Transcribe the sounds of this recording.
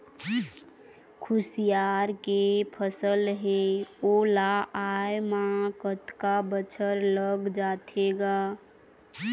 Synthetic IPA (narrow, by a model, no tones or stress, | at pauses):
kʰusijaɾkepʰəsəlɦeolaajmakət̪kabət͡ʃʰəɾləɡd͡ʒat̪ʰeɡa